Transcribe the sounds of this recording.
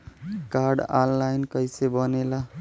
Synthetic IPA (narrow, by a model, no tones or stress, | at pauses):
kaɾɖanlajnkʌjsebʌnela